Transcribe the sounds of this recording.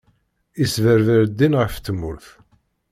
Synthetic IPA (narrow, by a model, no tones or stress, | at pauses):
isvəɾvəɾd̪ːinʁəft̪ːəmʊ̰ɾθ